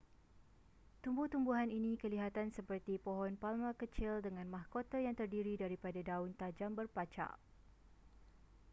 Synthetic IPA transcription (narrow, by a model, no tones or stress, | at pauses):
t̪umbuht̪umbuɦaninĩkəliɦat̪ansəpərt̪ipoɦɔnpalmãkət͡ʃɪldəŋãnmahkot̪ajaŋt̪ərdiɾidaɾipadadaunt̪ad͡ʒambərpat͡ʃa̰ʔ